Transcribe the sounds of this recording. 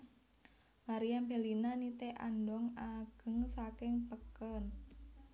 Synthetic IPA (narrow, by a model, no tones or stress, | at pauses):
maɾijambelinanit̪eʔa̰ndɔŋaɡ̥ə̤ŋsakɪŋpəkən